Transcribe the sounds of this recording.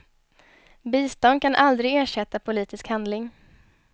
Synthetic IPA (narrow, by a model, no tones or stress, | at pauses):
biːst̪ɔnd̪̚kʰanʔald̪ɾɪɡeːʂɛt̪ːapʰʊliːt̪ɪskhand̪lɪŋ